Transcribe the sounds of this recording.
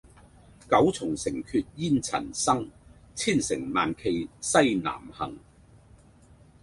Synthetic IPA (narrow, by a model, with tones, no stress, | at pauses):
kɐ˨˥wt͡sʰʊ˨˩ŋsɪ˨˩ŋkʰy˧t̚jiː˥nt͡sʰɐ̰˨˩nsɐ˥ŋ | t͡sʰiː˥˩nsɪ̰˨˩ŋmaː˨nkʰe˧jsɐ˥jna̰ː˨˩mhɐ˨˩ŋ